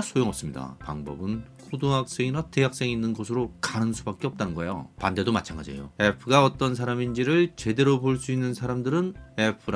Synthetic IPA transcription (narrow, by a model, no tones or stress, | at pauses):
sʰojoŋʌps͈ɯmɲida̰pa̰ŋbʌ̰bɯnkʰodoŋɦak̚s͈eŋinateɦak̚s͈e̞ŋinːɯnɡʌsʰɯɾokanɯŋsʰubak͈eʌp̚t͈anɯnɡʌejo̰pande̞domat͡ɕʰaŋɡa̰d͡ʑḛjo̰epʰɯɡaʌt͈ʌnsʰaɾamind͡ʑiɾɯɭt͡ɕe̞de̞ɾopoɭs͈uinːɯnsʰaɾamdɯɾɯne̞pʰɯɾ